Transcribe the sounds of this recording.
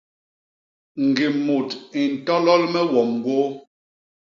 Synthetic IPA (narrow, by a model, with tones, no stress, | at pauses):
ŋ̩˨ɡi˨mu˨ti˨n̩˨tɔ˦lɔ˦lmɛ˦wɔ˨mɡwo˦